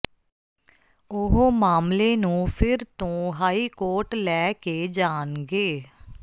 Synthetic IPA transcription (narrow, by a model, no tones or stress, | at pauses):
ʊɦoːmaːmleːnũːpʰɪɾt̪õːɦaːiːkoːɾʈlɛːkeːd͡ʒaːnɡeː